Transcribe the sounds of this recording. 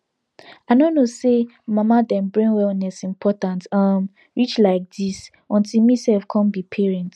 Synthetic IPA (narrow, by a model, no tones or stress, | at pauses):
anonose | mamadɛ̃nbɹĩŋwɛlnɛsĩmpʰɔtãntam | ɹit͡ʃlaɪk̚dis | ɔ̃ntilmisɛlfkʰɔ̃nbipʰɛɹɛ̃nt